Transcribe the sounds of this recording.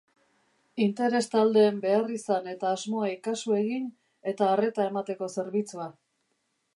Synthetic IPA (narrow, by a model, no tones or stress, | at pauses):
int̪e̞ɾe̞st̪ald̪e̞ːmbe̞arisane̞t̪aːzmo̞aikasue̞ɣin | e̞t̪aːre̞t̪ae̞mat̪e̞ko̞se̞ɾβit͡sua